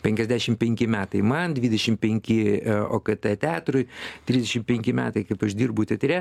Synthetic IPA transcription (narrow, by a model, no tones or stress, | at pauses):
pʲɛŋʲkʲɛzʲd̪ʲæːʃʲɪmpʲɛŋʲkʲɪmʲæːt̪ɐɪmɐnd̪ʲʋʲid̪ʲɛʃʲɪmpʲɛŋʲkʲɪoːkɐt̪ʲɛt̪ʲæːt̪ɾʊjt̪ʲɾʲizʲd̪ʲɛʃʲɪmpʲɛŋʲkʲɪmʲæːt̪ɐɪkɐɪpɐʃd̪ʲiːrbʊt̪ʲɛt̪ʲɾʲɛ